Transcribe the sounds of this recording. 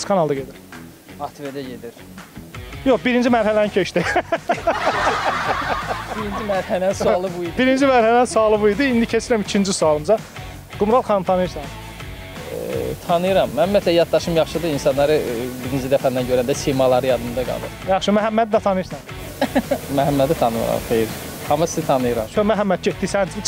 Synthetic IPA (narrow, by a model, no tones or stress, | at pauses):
skʰɑnɑlˠd̪ɑɟe̞d̪iɾ | ɑt̪ʰved̪æɟe̞d̪iɾ | joxbiɾind͡ʒimæɾhælænincʰeʃt̪i | b̥iɾind͡ʒimæɾhælsulˠɯbuibiɾind͡ʒimæɾhælænsuɑlˠɯbuid̪iind̪icʰet͡ʃʰiɾmicʰind͡ʒisuɑlˠɯmzɑ | ɡ̥umɾɑlˠxɑnɯmt̪ʰɑnɯjɯɾsɑn | t̪ʰɑnɯjɯɾɑmːænmiæt̪ʰlæjɑd̪̚ːɑʃɯmjɑχʃɯd̪ɯinsɑnːɑɾɯbiɾind͡ʒid̪æfænænɟøɾænd̪æsimɑlˠɑɾɯjɑd̪ɯmd̪ɑɡɑ̰lˠɯ̰ɾjɑχʃɯmæɦæmːæd̪id̪æt̪ʰɑnɯjɯɾsɑn | mæɦæmːæd̪it̪ʰɑnɯmɯ̰ɾɑ̰mχejɾ | ɑmːɑsizit̪ʰɑnɯjɯɾɑ̰t͡ʃʰomæɦæmːæt̪̚ɟet̪̚d̪isæni